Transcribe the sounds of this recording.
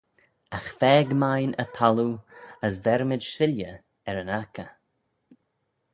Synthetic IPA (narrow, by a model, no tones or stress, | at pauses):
axfɛːɡmajnə̰t̪ʰaluəsvɛɾmɪdʃɪljə | ɛɾənakə